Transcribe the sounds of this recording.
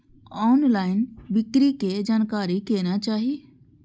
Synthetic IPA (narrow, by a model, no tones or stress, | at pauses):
ɔːnlaːɪnbɪkɾiked͡ʒaːnkaːɾikeːnat͡ʃaːɦije